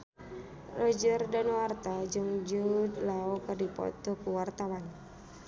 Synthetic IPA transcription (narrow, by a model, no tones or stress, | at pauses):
rɔd͡ʒərdanɔwart̪ad͡ʒɨŋd͡ʒud̪laɔkərdipɔ̰t̪ɔkuwart̪awan